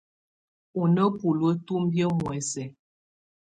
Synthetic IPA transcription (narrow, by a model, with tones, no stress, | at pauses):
u˨nə˦pu˨lwə˦tu˦m˦bjə˦mwɛ˨sɛ˨